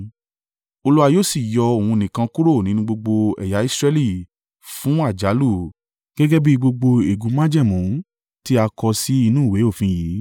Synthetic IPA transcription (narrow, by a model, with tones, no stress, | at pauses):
o˧lu˦a˧joː˦˨si˦˨jɔ˧o˨hũ˧nĩ˨kã˧ku˦ɾo˦˨nĩ˨˦ũ˦ɡ͡bo˧ɡ͡bo˧ɛ̰˨ja˨˦i˦sɾɛ˦˧li˦˨ | fũ˨˦a˦˨d͡ʒa˨˦lu˦˨ | ɡ̥ɛ˦ɡɛ˦bi˦ɡ͡bo˧ɡ͡bo˧e˨ɡu˨˦mã˦d͡ʒɛ˦˨mũ˨˦ | ti˦a˧kɔ˧si˦i˧nũː˦˨we˨˦o˦˨fĩ˧jiː˨˦